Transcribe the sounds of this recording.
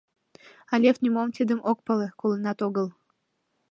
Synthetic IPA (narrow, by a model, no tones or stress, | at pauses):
ɑlʲefnʲimomt̪id̪ə̆mʔok̚pɤlə̆kolənɑt̪oɣəl